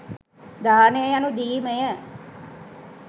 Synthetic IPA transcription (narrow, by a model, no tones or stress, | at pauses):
d̪aːnejəjanud̪iːməjə